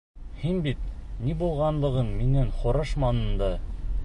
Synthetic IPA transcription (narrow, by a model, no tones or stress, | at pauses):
hinbit̪̚nibulˠʁɑnlˠɤ̆ʁɤnminɘŋχŏɾɤʃmɑnɤ̆nd̪ɤ